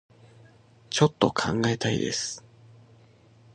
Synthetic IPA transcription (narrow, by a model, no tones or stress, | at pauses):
t͡ɕo̞t̪ːo̞̰kʰã̰ŋɡae̞t̪aḭd̪e̞̰sɨ̥